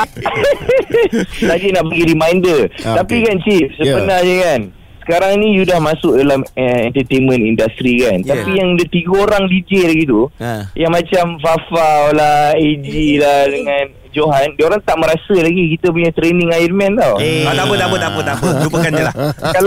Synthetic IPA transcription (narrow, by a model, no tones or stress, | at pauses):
sadənaʔbəɡiɾimajndərt̪apikant͡ʃip̚səbənahd͡ʒəkan | sə̥kaɾaŋnĩsudahmãsʊk̚dalaməɛnt̪ət̪enmə̃nindast̪ɾikant̪apijaŋdət̪iɡəoɾaŋlid͡ʒelaɡit̪̬ujaŋmãt͡ʃamfafawlahed͡ʒilahdəŋãn | d͡ʒoɦandoɾaŋt̪aʔmə̃ɾasəlaɡikit̪əp̬uɲat̪ɾenĩŋajətmɛ̃nt̪awat̪apət̪apət̪apət̪apəɾupəkand͡ʒəlahkal